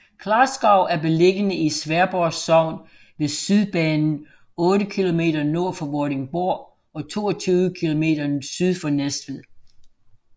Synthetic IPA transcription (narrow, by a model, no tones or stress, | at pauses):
kʰlɑ̈ːsɡ̥ɑ̈ʊ̰æɐb̥e̝leɡ̥ənəisʋæɐb̥ɒsɒʊ̰n | ʋe̝syðˠb̥ɛːnn̩ | ɔ̽ːɾəkʰilo̝me̝̰ːdɐno̝ɐ̰fɒ̽ʋɒɾe̝ŋb̥oɐ̰ | ɒ̽t͡sʰo̝̰ːɒt͡sʰyːʋəkʰilo̝me̝̰ːdɐsyðˠfɒnesd̥ʋið̰ˠ